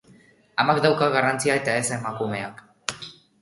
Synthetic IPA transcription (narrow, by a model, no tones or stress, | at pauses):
amakd̪awkaɣarant͡siae̞t̪aesae̞makume̞ak